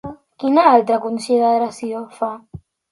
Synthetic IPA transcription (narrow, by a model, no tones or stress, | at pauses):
kinaalt̪ɾakunsiðaðeɾasiofa